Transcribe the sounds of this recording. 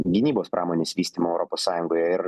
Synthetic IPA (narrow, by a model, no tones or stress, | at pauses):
ɡʲɪnʲiːboːspɾʔɑːmoːnʲeːsʋʲiːsʲt̪ʲiːmoːɛʊɾɔpossɑːjʊŋɡoːjɛɪɾ